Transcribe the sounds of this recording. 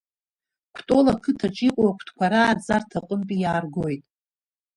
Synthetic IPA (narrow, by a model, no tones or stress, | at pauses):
kʷʰtʼo̞lakʰɨtʰaʈ͡ʂʼiqʷʼawakʷʰtʰkʷaɾaːd͡zartʰaqʼəmpʼijaːrɡojtʼ